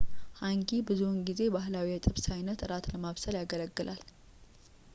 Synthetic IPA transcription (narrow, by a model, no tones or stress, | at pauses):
haŋɡibɨzunɡize̞baɦlawiat̪ʼɨβsajnət̪ɨɾat̪ləmaβsəljaɡələɡːɨlʔal